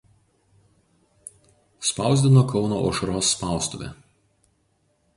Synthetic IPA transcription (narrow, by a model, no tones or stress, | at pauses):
spɑˑʊzʲd̪ʲɪnoːkɒʊnoʔɔ̰ːʃɐɾoːsːpɑˑʊst̪ʊ̰ʋʲḛ